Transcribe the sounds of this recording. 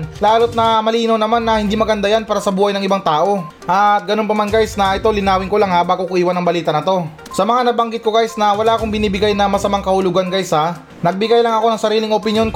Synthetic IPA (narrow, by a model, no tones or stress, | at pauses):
laːlot̪̚nɐmɐliːnownɐmanːɐhɪnd̪imɐɡɐnd̪ajanpaːɾɐsɐbuːhɐjnɐŋɪbaŋt̪aːʔo̞ | ʔɐt̪̚ɡɐno̞npɐmanɡajsnɐʔɛt̪o̞lɪnaːwɪŋkolaŋhabaɡokʊʔiːwanɐŋbɐliːt̪ɐnɐt̪o̞ | sɐmɐŋanɐbɐŋɡɪt̪̚ko̞ɡajsnɐwɐlaːʔɐkoŋbɪniːbɪɡajnɐmɐsɐmaŋkɐhʊlʊɡanɡajsa | nɐɡ̚bɪɡajlɐŋɐko̞nɐŋsɐɾiːlɪŋopɪnjo̞nk